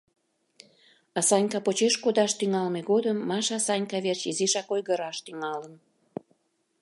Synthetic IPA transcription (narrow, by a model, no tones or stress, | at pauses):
ɑsɑnʲkɑpot͡ɕeʃkod̪ɑʃt̪yŋɑlmeɣod̪əmːɑʃɑsɑnʲkɑβert͡ɕiziʃɑkojɣəɾɑʃt̪yŋɑlən